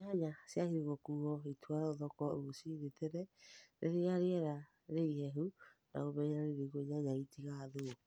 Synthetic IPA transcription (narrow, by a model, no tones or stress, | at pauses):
haɲasjahiɾiɣokuɣɔitʰwaɾaoðɔkɔoosiɾetɛɾɛɾʔeɾeaɾeɛɾa | ɾeihɛɦunʔa̰ɣoβɛɲeɾaɾeɾeiɣoɲaɲaitiɣaːðo